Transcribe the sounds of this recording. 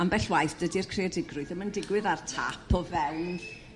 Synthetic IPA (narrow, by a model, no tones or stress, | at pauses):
ambɛɬwajθd̥ədirkʰreɔdɪɡrʊɨðəməndɪɡwɪðartʰa̰pʰɔvɛwn